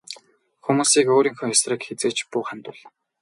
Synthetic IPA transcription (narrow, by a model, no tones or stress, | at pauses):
xumuːsiːkoːɾiːŋxɵ̆ŋʊsrə̆kxet͡seːt͡ɕpʊːχant̪ʊ̆ɮ